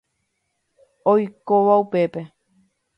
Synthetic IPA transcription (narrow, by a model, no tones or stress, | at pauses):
ojkoʋaupepe